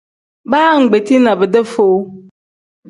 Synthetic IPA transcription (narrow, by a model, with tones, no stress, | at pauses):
baː˦ŋ̩˨ɡ͡be˨ti˦nã˨bɛ˨dɛ˦fo˨w